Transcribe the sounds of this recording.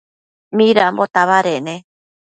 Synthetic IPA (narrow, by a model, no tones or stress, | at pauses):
mĩɾambot̪aβaɾenẽ